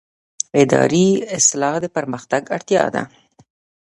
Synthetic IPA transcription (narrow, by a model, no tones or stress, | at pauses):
ɪd̪ɑ̰ɾiɪslɑhd̪əpəɾməxt̪aɡaɽt̪jɑ̰d̪a̰